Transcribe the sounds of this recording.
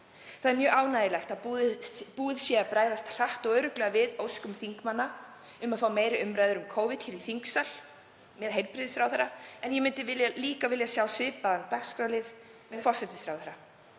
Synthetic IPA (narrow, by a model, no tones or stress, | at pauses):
θaðɛɾmjœːʔaːwnajɪlajxt̪aðupuːðɪsjɛapɾaːjðast̪r̥aht̪ɔɣœɥɾʏklɛɣavɪðowskʏmθiŋkmanːa | ʏmaðfaːwmeːjɾɪʏmɾaːjðʏɾʏmkʰoːwvɪt̪çɛːɾiθiŋksal̥ | mɛðɦejlpɾɪðɪsfɾawθɛɾaɛnjɛmʏnt̪ɪvɪljaliːkavɪljasjaːwsvɪːpaðant̪akskɾawlɪð | mɛðfɔr̥sɛt̪ɪsfɾawθɛɾa